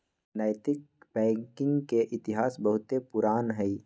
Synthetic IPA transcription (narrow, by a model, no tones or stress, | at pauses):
naːjt̪ɪk̚bɛ̃ːkɪ̃ŋɡkeʔɪt̪ɪɦaːsbəɦʊt̪epʊɾaːnɦɛi